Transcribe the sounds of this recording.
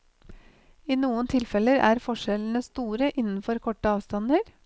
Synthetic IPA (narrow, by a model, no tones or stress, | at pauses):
iːnuːənt̪ʰɪlfɛləɾæ̰ːɾfɔʃɛln̩əst̪uːɾəʔɪnn̩fɔɾkʰɔʈəɑːʋst̪ɑnəɾ